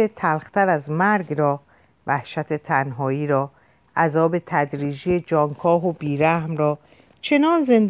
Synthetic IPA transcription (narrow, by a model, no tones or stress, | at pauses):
et̪ʰælxt̪ʰæɾæzmæɾɡɾɒː | væhʃæt̪ʰe̞t̪ʰænɦɒːiːɾɒː | ʔæzɒːbe̞t̪ʰæd̪ɾiːd͡ʒijed͡ʒɒːŋkʰɒːɦobiːɾæhmɾɒː | t͡ʃʰe̞nɒːnze̞nd̪